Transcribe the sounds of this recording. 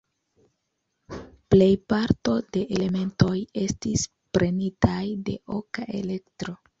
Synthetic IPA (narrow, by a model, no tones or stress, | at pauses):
ple̞jpaɾto̞de̞ʔele̞me̞nto̞je̞stis | pɾʔe̞nitajde̞̰ʔokaʔe̞̰le̞ktɾo